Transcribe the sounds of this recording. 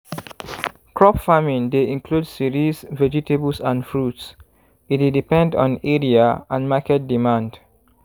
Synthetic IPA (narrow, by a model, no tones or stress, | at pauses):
kʰɹɔpfamĩndeĩŋkʰludsiɹisvɛd͡ʒitʰebəlsãnfɹuts | it̚dedipɛ̃ndɔ̰̃nɛɹiaãnmakɛt̚dimãnd